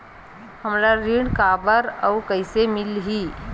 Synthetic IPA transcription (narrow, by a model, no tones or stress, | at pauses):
həmɾaɾiɽkabəɾəːkəɪsemɪlɦi